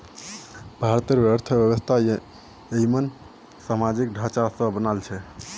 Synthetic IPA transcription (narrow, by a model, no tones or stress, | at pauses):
bʱaɾt̪eɾbəɾt̪ʰəbjəβəst̪ʰa | ejmən | samad͡ʒikɖʱat͡ʃasə̃bənalt͡ʃʰɛ